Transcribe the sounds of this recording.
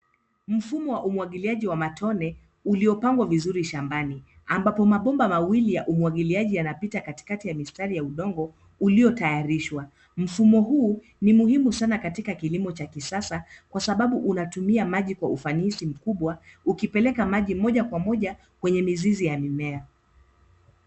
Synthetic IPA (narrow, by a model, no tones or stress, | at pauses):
m̩fumɔwaʔumwaɠiliaʄiwamatʰɔnɛ | uliɔpaŋɡwavizuɾiʃambani | ambapɔmaɓɔmbamawilijaʔumuwaɠiliaʄijanapitakati̥katijamistaɾijauɗɔŋɡɔ | uliɔtajaɾiʃwa | m̩fumɔɦuː | nimuhimusanakatikakilimɔt͡ʃakisasakwasaɓaɓuʔunatumiamaʄikwaufanisim̩kuɓwaukipɛlɛkamaʄimɔʄakwamɔʄa | kwɛɲɛmizizijamimɛa